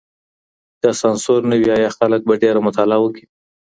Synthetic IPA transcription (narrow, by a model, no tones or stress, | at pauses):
d̪̥ɑsɑnsoɾnəwiɑjɑxalək̚baɖeɾamʊt̪ɑlawəki̥